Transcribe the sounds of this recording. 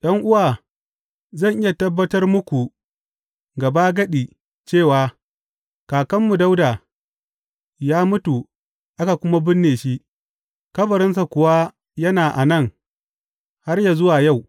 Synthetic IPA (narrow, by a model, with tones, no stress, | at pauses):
ɗɐ˦ŋʔʊ˦waː˨ | zɐ˦˨ŋʔɪ˦ja˨tɐ˦bːɐ˦tɐ˦rmʊ˦kʷu˨ | ɡɐ˨ba˦ɡɐ˦ɗiː˨ | t͡ʃeː˦˨waː˨ | kaː˨kɐ˦mːu˨da˦wda˨ | jaː˦mʊ˦tu˨ | ʔa˦ka˨kʷʊ˦ma˦bɪ˦nːeː˨ʃi˦ʔ | kɐ˦bɐ˨ɾɪ˦ns̬a˨kʷʊ˨wa˦ | jɐ˦naː˨ʔa˨nɐ˦˨ŋ | ha˦rja˨zʊ˦waː˨ja˦˨w